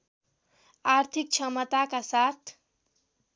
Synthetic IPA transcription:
aɾt̪ʰik̚t͡ʃʰʌmət̪akasat̪ʰ

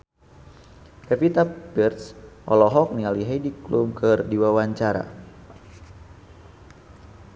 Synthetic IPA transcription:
kɛpit̪apirt̪sʔɔlɔɦɔk̚nialiɦaidiklumkʰɨrdiwawaɲt͡ʃaɾa̰

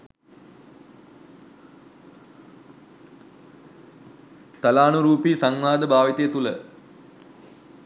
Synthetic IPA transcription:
t̪ɐlaːnuɾuːpiːsaŋmaːd̪əbʱaːʋit̪ejet̪ulə

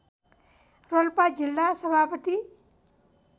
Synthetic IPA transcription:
rolpad͡ʒilːasʌbʱapʌt̪i

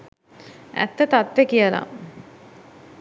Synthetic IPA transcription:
æ̰t̪ːət̪at̪ʋekijəla̰

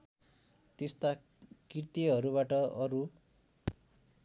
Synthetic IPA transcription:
t̪est̪a | kirt̪iɦʌɾuβaʈʌʌɾu

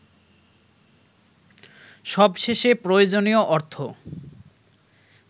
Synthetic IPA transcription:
ʃɔbʃeʃepɾojod͡ʑonioʔɔɾt̪ʰo

